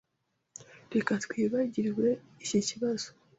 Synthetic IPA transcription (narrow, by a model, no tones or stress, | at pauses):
ɾe̞katwiːβaɟiɾwuɾe | iciciβazo̥